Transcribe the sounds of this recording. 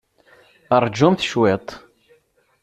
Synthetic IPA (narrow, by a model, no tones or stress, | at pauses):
əɾˤd͡ʒumθʃwet̪ˤ